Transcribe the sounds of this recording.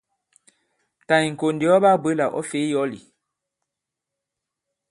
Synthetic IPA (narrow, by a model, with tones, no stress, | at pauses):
ta˨i˨ŋ̩˨ko˨ndi˨ɔ˦ba˦˨bwe˦la˨ʔɔ̰˦fe˨˦jɔ˦lḭ˨